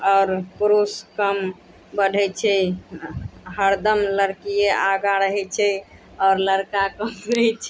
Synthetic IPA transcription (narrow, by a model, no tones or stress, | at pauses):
ɔʊɾpɾoskəm | bəɖʱɛt͡ʃʰɛ | ɦəɾd̪əmləɾkijeʔaɡaɾəɦɛt͡ʃʰɛ | ɔːɾləɾkakəməɦɛt͡ʃʰɛ